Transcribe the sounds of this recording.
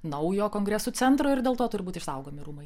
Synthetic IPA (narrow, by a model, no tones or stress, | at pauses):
nɐʊjoːkoːŋɡɾʲɛsuːt͡s̪ʲɛnt̪ɾoːɪɾd̪ʲeːlˠt̪oːt̪ʊɾʲɪbuːt̪ɪʃsɐʊɡoːmʲɪɾuːmɐɪ